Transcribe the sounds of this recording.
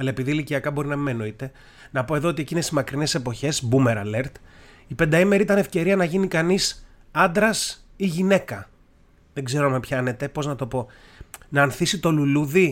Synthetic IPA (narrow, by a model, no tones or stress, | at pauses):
ɐlɐe̞piðiliciɐkɐbo̞ɾinɐmeno̞it̪e̞ | nɐpo̞e̞ðoot̪ie̞cinesimɐkɾine̞se̞po̞çe̞zbume̞ɾɐle̞ɾt̪ | ipe̞nd̪ɐime̞ɾiit̪ɐne̞fce̞ɾiɐnɐʝinikɐnis | ɐnd̪ɾɐsiʝine̞kɐ | ðe̞ɡze̞ɾoɐmepçɐne̞t̪e̞po̞znɐt̪o̞po̞ | nɐːnθisit̪o̞luluði